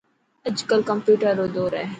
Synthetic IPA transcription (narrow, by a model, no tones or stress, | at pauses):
əd͡ʒkəlkɐmpjuːʈəɾːoːd̪oːɾɛ